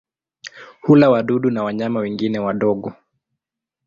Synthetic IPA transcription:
hulawaɗuɗunawaɲamawɛŋɡinɛwaɗɔɠɔ

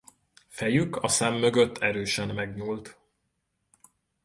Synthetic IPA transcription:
fɛjykɒsɛmːø̞ɡø̞t̪ʰːɛɾøːʃɛnmɛɡɲuːlt̪

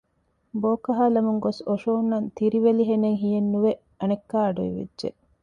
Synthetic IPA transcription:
boːkɐɦaːlɐmuŋɡosoʃoːnːɐnt̪iɾiʋeliɦeneŋɦijenːuʋe | ɐnekːaːɐɖuḭʋḛdːʒḛ

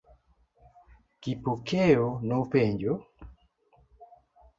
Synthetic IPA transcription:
kipokʰejonɔpeɲd͡ʒo

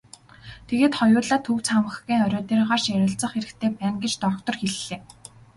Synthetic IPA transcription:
t̪ʰeɣeːt̪χɔjʊːɮaːt̪ʰɵw̥t͡sχamə̆χɣiːŋœɾʲɔːt̪eːrʁaːrʃæɾʲɪ̆ɬt͡sə̆χeɾɘ̆kt̪ʰeːpæːŋɡet͡ɕt̪ɔkt̪ɞ̆rxeɮːeː

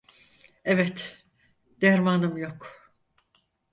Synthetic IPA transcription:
evɛt̪ | d̪̥æɾmanɯmjo̞k

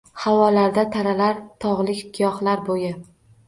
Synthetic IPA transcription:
hawɒlaɾd̪at̪ʰaɾalaɾt̪ʰɒʁlˠɪkʲt̪ʰɪjɒχlaɾbojɪ

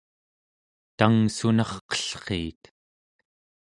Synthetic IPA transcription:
t̪aŋsunɑχqʌ̥ɬqeːt̪

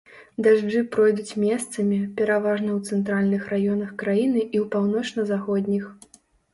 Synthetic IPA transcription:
d̪aʐd͡ʐɨpɾɔjd̪ut͡sʲmʲɛst̪sɐmʲipʲɛɾavaʐnɐwt̪sɛnt̪ɾalʲnɨxrajɔnɐxkɾajinɨʔiwpawnɔt͡ʂnɐzaxɔd̪ʲnʲix

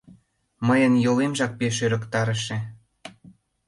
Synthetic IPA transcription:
məjənjolemʒɑk̚peʃøɾə̆kt̪ɑɾə̆ʃĕ

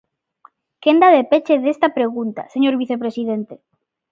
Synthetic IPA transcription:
kend̪aðepet͡ʃeðest̪apɾeɣ̞unt̪a̰seɲoɾβiθepɾesiðent̪e

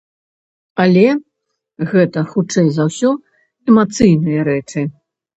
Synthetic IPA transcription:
ɐlʲɛ | ɣɛt̪ɐxut͡ʂɛjzawsʲɔ | ɛmat̪sɨjnɨjɐɾɛt͡ʂɨ

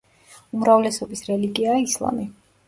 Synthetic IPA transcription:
umɾavlɛsɔbisɾɛliɡiaislˠa̰mi

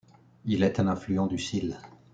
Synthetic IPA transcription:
ilɛt̪ɛ̃nɛ̃flyɑ̃d̪ysil

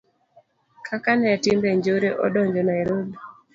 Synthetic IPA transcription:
kʰakanɛtɪmbeɲd͡ʒoɾeʔɔ̰dɔɲd͡ʒɔnaeɾod

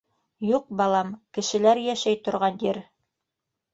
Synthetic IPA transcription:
juq̚bɑlˠɑmkɘ̆ʃɘ̆læɾjæʃæjt̪ŏɾʁɑnjiɾ

